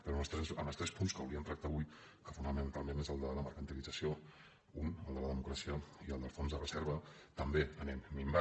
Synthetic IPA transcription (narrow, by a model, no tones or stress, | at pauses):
pəɾɔəlˠst̪ɾɛsəməlst̪ɾɛspunskə̰wɾiənt̪ɾək̚t̪aβuj | kəfunəmənt̪alˠmenezəlˠd̪ələməɾkənt̪ilid͡zəsio | unəlˠd̪ələðəmukɾasiəiəlˠd̪əlˠfonzðərəzɛɾβ̞ət̪əmbeənɛmmimba